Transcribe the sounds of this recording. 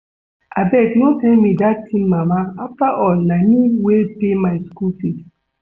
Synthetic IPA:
abɛtnotɛnmĩdatĩmmamaaftaʔɔlnaniwepemaɪskulfid

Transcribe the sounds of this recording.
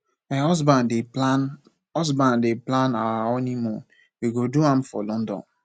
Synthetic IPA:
maɔsbandean | ɔzbãndeplanawaɔnimɔ̃n | wiɡoduãmfɔ̰lɔ̃ndɔ̰̃n

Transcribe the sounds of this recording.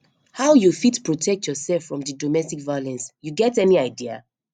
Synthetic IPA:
haʊjufitpɹɔtʰɛk̚tjɔsɛlfɹɔ̃mdɨdɔmɛstikvajolɛ̃nsjuɡɛtɛniaɪdia̰

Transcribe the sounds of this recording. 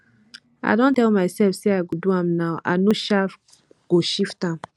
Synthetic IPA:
a̰ɪdõntɛlmaɪsɛlfseaɪɡoduãmnaʊʔa̰noʃaf | ɡ̥oʃiftãm

